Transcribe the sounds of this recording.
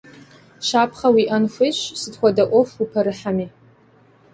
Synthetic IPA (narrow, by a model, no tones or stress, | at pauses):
ʃapʰχawiʔanʃʷeʃʷsɨdʰxʷadaʔʷofipʰaɾɨħami